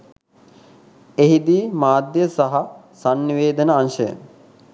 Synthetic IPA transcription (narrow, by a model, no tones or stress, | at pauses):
eɦid̪iːmaːd̪jəsaɦa | sanːiʋeːd̪ənəanʃəjə̰